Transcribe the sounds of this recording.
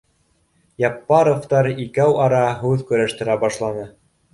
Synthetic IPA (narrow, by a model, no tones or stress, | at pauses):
jɑpːɑɾoft̪ɑɾikæwʔɑɾɑɦʉðkɵ̆ɾæʃt̪ɘ̆ɾæbɑʃlˠɑnɤ